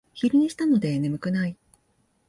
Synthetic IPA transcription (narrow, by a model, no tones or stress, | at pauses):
çiɾʲɯɲ̟iɕi̥t̪ano̞d̪e̞nemɯ̟kɯ̟nai